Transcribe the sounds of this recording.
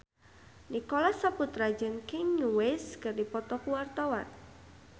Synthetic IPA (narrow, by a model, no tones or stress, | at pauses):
nikɔlasaput̪ɾḁd͡ʒənkɪŋɲuweskərdipɔt̪ɔkuwart̪awa̰n